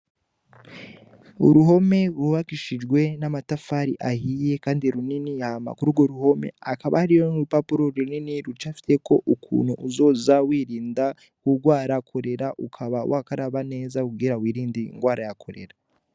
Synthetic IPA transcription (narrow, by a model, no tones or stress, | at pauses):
uɾuɦo̞me̞ɾuβakiʃid͡ʒɡwe̞namatafaɾiʔahije̞kaːndiɾuniniaama̰kuɾuɡoɾuho̞me̞̰akaβa̰haɾijoupapuɾoɾininiɾut͡ʃafi̥te̞ko̞ʔukʰṵːnhuʔuzo̞ːzawiːɾiːnda | kuɡwaːɾakʰo̞ɾe̞ɾaʔukʰaβawʔakaɾaβane̞ːzauɡiɾawiːɾiːndiŋɡwaːɾajakʰo̞ɾe̞̰ɾa